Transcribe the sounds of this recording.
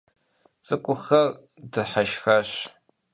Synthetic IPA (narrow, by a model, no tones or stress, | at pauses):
t͡sʼɨkʷʼʊxɐr | dɨħaʃxɐɕ